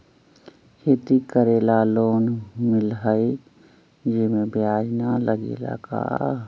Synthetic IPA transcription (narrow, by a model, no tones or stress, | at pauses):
hɪt̪ikəɾeːlaloːnmɪlɦəi | d͡ʒɪmẽbjaːd͡ʒnaləɡḛːla̰ka̰ː